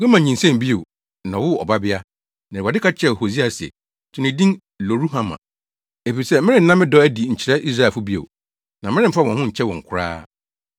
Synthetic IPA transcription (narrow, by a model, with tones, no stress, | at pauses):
ɡɛ˦mã˨ɲ˨ɲĩ˨nsɛ̃˦m˨bi˦e˨ | nã˨wʊ˦ɔ̰˨ba˦bɪ˦a˦ | nã˨a˨dɪ˦kʰa˦t͡ɕʰɛ˦˨ho˨si˦a˨sɪ˨ɛ̰˨ | tʰʊ̃˨nɪ̃˨dĩ˦n | lo˨ɾu˦hã˦mã̰˨ | e˨fi˨sɛ˦˨mɪ̃˦ɾɪ̃˦n̩˦nã˦mɪ̃˦dɔ˦æ˦di˨ɲ̩˨t͡ɕʰi˨ɾɛ˦ʔi˦s̬ɾa˦˨fʊ˦bi˦ḛ˨ | nã˨mɪ̃˦ɾɪ̃˦m̩˦fa˦˨ɔ̃˨hʊ̃˦ɲ̩˨t͡ɕʰɛ˦wɔ̃˨ŋ̩˨kʰʊ˦ɾa̰ː˦